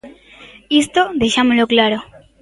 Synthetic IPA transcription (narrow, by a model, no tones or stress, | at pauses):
ist̪od̪eɕamuloklaɾo